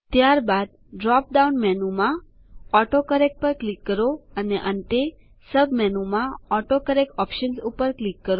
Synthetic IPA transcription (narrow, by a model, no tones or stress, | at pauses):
t̪jaɾbad̪̚ | ɖɾɔp̚ɖaunmɛnumã | ɔʈokəɾek̚pəɾklikːəɾoəneʔəɳʈ̪e | səbmɛnumãɔʈokəɾekɔpʃənsupəɾklikːəɾo